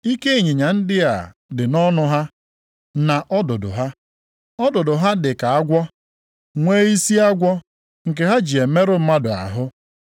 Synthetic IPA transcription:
i˦ke˦i˦˨ɲi˨ɲa˨n̩˦dɪ˦ja̰˨ | dɪ˨nɔ˦nʊ˦ɦa˦ | na˨ʔɔ˦dʊ˨dʊ̰˨ɦa˦ | ɔ˦dʊ˨dʊ˨ɦa˦dɪ˨ka˨a˦ɡʷɔ˦ | ŋʷe˦i˦si˦a˦ɡʷɔ˦ | ŋ̩˨k̬e˨ɦa˦d͡ʒi˨e˨me˦ɾʊ˦m̩˦ma˦dʊ˨a̰˨ɦʊ˦

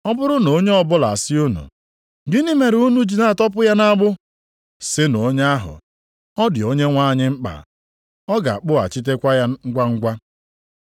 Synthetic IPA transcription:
ɔ˦bʊ˦ɾʊ˦no˨o˦ɲe˦ɔ˦bʊ˦la̰˨sɪ˦o˦nṵ˨ | ɡi˦ni˦me˨ɾu˦nu˦d͡ʒi˨na˦˨tɔ˦p̬ʊ˦ja˦na˦ɡ͡bʊ˦ | sɪ˦no˨˦ɲ˦a˦ɦʊ̰˨ | ɔ˦dɪ˨o˦ɲe˦ŋʷa˦˨ɲɪ˦ŋ͡m̩˦k͡pa̰˨ | ɔ˦ɡa̰˨k͡pʊ˦a̰˨t͡ʃi˦t̬e˦kʷa˦ja˦ŋ̩˦ɡʷa˦ŋ̩˦ɡʷa˦

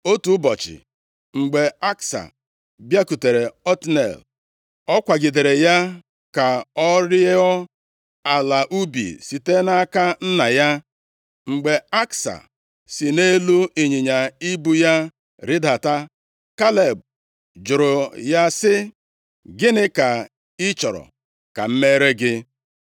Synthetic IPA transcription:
o˦tu˨˦bɔ˨t͡ʃɪ̰˨ | ŋ͡m̩˨ɡ͡be˨a˦ksa̰˨ | bja˦ku˨te˨ɾe˨ɔ˦tnḛ˨l | ɔ˦kʷa˨ɡɪ˨de˨ɾe˨ja˦ | ka˨ɔ˦ɾɪ˦e˦ɔ˦ | a˨la˨ʔu˦bḭ˨si˨te˦na˦ka˦n̩˦na˨ja˦ | ŋ͡m̩˨ɡ͡be˨a˦ksa̰˨ | sɪ˨ne˦lu˦i˨ɲɪ˨ɲa˨i˦bu˦ja˦ | ɾɪ˦da˨ta˦ | ka˦le˨b̚ | d͡ʒʊ˨ɾʊ˨ja˦sɪ˦ | ɡɪ˦nɪ˦ka˨ | ɪ˦t͡ʃɔ˨ɾɔ̰˨ | ka̰˨m̩˦me˦ɾe˦ɡɪ˦

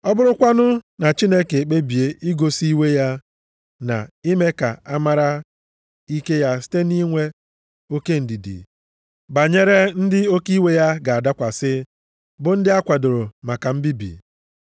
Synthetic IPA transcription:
ɔ˦bʊ˦ɾʊ˦kʷa˦nʊ˦na˨t͡ʃi˦ne˦ke˨k͡pe˦bi˨e˨i˦ɡo˨si˦we˦ja˦ | na̰˨i˦me˦ka̰˨a˦ma˦ɾa˦ | i˦ke˦ja˦si̥˦te˦ni˦ŋʷe˦ | o˦ke˦˨n̩˨di˨dḭ˨ | ba˨ɲe˦ɾe˦n̩˦dɪ˦o˦ki˦we˦ja˦ɡa˨a˨da˦kʷa˨sɪ˦ | bʊ˨n̩˦dɪ˦a˦kʷa˨dʊ˨ɾʊ˨ma˨ka˨m̩˦bi˦bḭ˨

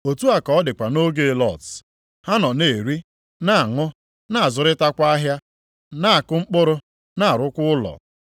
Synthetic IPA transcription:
o˨tu˦a˨kɔ˨ɔ˦dɪ˨kʷa˨no˦ɡe˦lɔ˦˨t | ha˦nɔ˨ne˨ɾi˦ | na˦˨ŋʊ˦ | na˦˨a˨zʊ˨ɾɪ˦ta˦kʷa˦a˦ɦja˦ | na˦˨kʊ˦ŋ͡m̩˦k͡pʊ˦ɾʊ˦ | na˦a˨ɾʊ˦kʷʊ˦ʊ˦lɔ̰˨

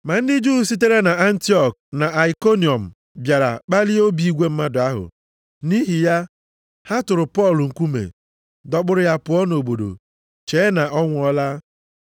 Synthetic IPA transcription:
ma˨n̩˦dɪ˦d͡ʒu˦ɦu˨si˦t̬e˦ɾe˦na˨a˦n̩˦ti˦ɔ˨k̚na˨ʔa˨i˨ko˦ni˨ɔ˨m̩˨ | bja˨ɾa̰˨k͡pa˦lɪ˦o˦bi˨i˦ɡʷe˦m̩˦ma˦dʊ˨a˦ɦʊ̰˨ | ni˦ɦi˨ja˦ | ha˦tʊ˨ɾʊ˨pɔ˦˨lʊ˨ŋ̩˨kʷu˦mḛ˨ | dɔ˨ɡ͡bʊ˨ɾʊ˨ja˦pʊ˨ɔ˦no˨bo˨do̰˨ | t͡ʃeː˨˦na˨ʔɔ˦ŋʷʊ˦ɔ˦la˦

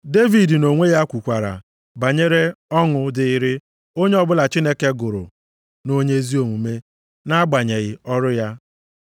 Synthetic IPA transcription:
de˦vi˨dno˨ŋʷe˦ja˦kʷu˨kʷa˨ɾa̰˨ | ba˨ɲe˦ɾe˦ɔ˦ŋʊ˨dɪ˨ɪ˦ɾɪ˦ | o˦ɲe˦ɔ˦bʊ˦la˨t͡ʃi˦ne˦ke˦ɡʊ˨ɾʊ̰˨ | no˦ɲe˦zi˦o˨ŋʷu˨me˦ | na˦ɡ͡ba˨ɲe˨ɣɪ˨ɔ˦ɾʊ˦ja˦

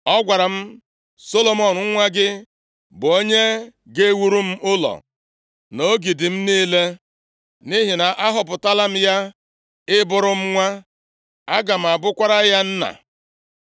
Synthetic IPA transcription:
ɔ˦ɡʷa˨ɾa˨m̩˦ | so˦lo˨mɔ˨n˨ŋ̩˦ŋʷa˦ɡɪ˦ | bʊ˨o˦ɲe˦ | ɡe˦wu˦ɾu˦m̩˦ʔʊ˦lɔ̰˨ | no˦ɡi˨dɪ˨m̩˦ni˦le˦ | ni˦ɦɪ˨na˨ʔa˦ɦʊ˨pʊ˨ta˦la˦m̩˦ja˦ | ɪ˦bʊ˨ɾʊ˦m̩˦ŋʷa˦ | a˦ɡa˨m̩˨a˨bʊ˦kʷa˦ɾa˦ja˦n̩˦na̰˨

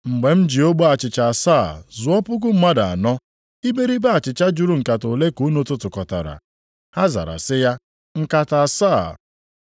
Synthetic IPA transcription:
ŋ͡m̩˨ɡ͡be˨m̩˦d͡ʒi˨o˦ɡ͡bo˦a˨t͡ʃɪ˨t͡ʃa˨a˨sa̰˦˨zʊ˨ɔ˦pʊ˦ɡʊ˦m̩˦ma˦da˨a̰˨nɔ˦ | i˦be˦ɾi˦ba˦a˨t͡ʃɪ˨t͡ʃa˦d͡ʒu˦ɾu˦ŋ̩˨ka˨to˨le˦ko˨˦no˦tʊ˦tʊ˨kɔ˨ta̰˨ɾa̰˨ | ha˦za̰˨ɾa̰˨sɪ˦ja˦ | ŋ̩˦ka˨ta˨saː˦˨

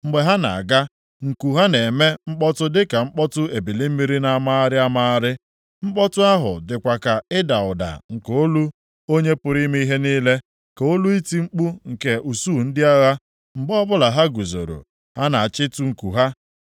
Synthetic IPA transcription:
ŋ͡m̩˨ɡ͡be˨ɦa˦na̰˨a̰˨ɡa˦ | ŋ̩˨ku˨ɦa˦ne˨me˦ŋ͡m̩˦k͡pɔ˦tʊ˦dɪ˦ka˨ŋ͡m̩˦k͡pɔ˦tʊ˦e˨bi˨li˦m̩˦mi˦ɾi˦na˨˦ma˦a˦ɾɪ˦a˦ma˦ɾɪ˦ | ŋ͡m̩˦k͡pɔ˦tʊ˦a˦ɦʊ̰˨dɪ˨kʷa˨ka˨ɪ˦da˨ʊ˨da̰˨ŋ̩˨ko˦lu˦ | o˦ɲe˦pʊ˨ɾi˦me˦i˦ɦe˦niː˦le˦ | ko˦lu˦i˦ti˦ŋ͡m̩˦k͡pu˦ŋ̩˨ke˨ʔu˨suː˦˨n̩˦dɪ˦a˦ɣa˦ | ŋ͡m̩˨ɡ͡bɔ˦bʊ˦la˨ɦa˦ɡu˨zo̰˨ɾo̰˨ | ha˦na˨a˨t͡ʃɪ˦tu˦ŋ̩˨ku˨ɦa˦

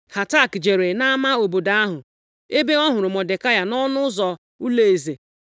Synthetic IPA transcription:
ha˨ta˦˨kd͡ʒe˨ɾe˨na˦ma˦o˨bo˨da˨a˦ɦʊ˨ | e˦be˦ɔ˦ɦʊ˨ɾʊ˨mɔ˨de˨ka˦ja˨nɔ˦nʊ˦zɔ˨ | u˦le˨e˨ze˨

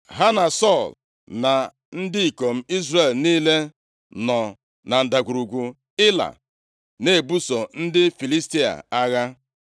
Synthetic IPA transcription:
ɦa˦na˨sɔ˦˨l | na˨ | n̩˦dɪ˦i˨ko˨m̩˦i˦zre˦˨lniː˦le˦ | nɔ˨ | na˨n̩˨da˨ɡʷu˨ɾu˨ɡʷu˨ | ɪ˦la̰˨ | ne˨bu˦so˨n̩˦dɪ˦fi˨li˦sti˦a̰˨a˦ɣa˦

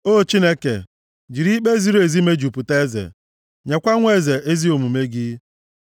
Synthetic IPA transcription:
o˦t͡ʃi˦ne˦kḛ˨ | d͡ʒi˨ɾi˦k͡pe˦zi˦ɾo˦e˨zi˦me˦d͡ʒu˨pu˨te˦e˦zḛ˨ | ɲe˨kʷa˦ŋʷe˦ze˨ʔe˦zi˦o˨mu˨me˦ɡɪ˦

